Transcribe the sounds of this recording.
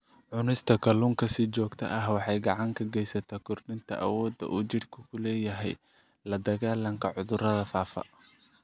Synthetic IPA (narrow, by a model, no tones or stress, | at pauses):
ʕʊnɪst̪ʰɐkʰɐluŋkʰɐsɪt͡ʃɔːɡt̪ʰɐ̰ʔɐɦwɑħɑjɡɑʕɑŋkʰɐɡɛjsɐt̪ʰaːkʰʊrɖɪnt̪ʰɐ̰ʔɐ̰wɔːd̪ɐ̰ʔuːt͡ʃɪrkʰʊkʰʊlɛːjɐɦɛ̰j | lɐd̪ɐɣaːlɐŋkʰɐʕʊðʊɾɐðɐfaːfɐ̰